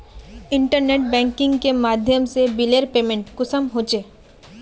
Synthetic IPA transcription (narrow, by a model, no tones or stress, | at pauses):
ɪ̃ɳʈəɾneːʈ̚bɛ̃ːŋkɪ̃ŋɡkemaːd̪ʱjəmsebileɾpeːmẽɳʈkʊsəmɦoːt͡ʃeː